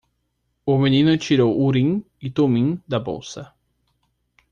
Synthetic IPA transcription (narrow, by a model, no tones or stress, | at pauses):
ʊmẽnĩnɐt͡ʃiɾowʔuɾĩ | ɪt̪omĩd̪ɐbo̰wsɐ